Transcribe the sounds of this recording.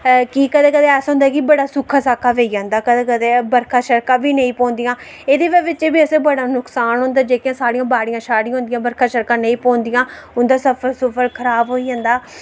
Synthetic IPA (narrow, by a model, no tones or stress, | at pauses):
kikəd̪ẽːkəd̪ẽɛːsʊ̃ːnd̪aːkɪbəɽaːsʊkʰːaːsaːkʰaːʋeiːd͡ʒãːnd̪aːkəd̪ẽːkəd̪eːbəɾkʰaːʃəɾkãːbiːnəĩːpɔ̃ːnd̪ɪjãː | eːd̪eːʋɛːʋɪt͡ʃeːbiːəsẽːbəɽaːnʊksaːnɦʊ̃ːnd̪aːd͡ʒeːkijãːsaːɽɪjãːbaːɽɪjãːʃaːɽĩj̃aɦʊ̃nd̪ɪjãːbəɾkʰaːʃəɾkãːnəĩːpɔ̃ːnd̪ɪjãː | ʊnd̪aːsəpʰəɾsʊpʰəɾkʰəɾaːbɦoːiːd͡ʒãːnd̪aː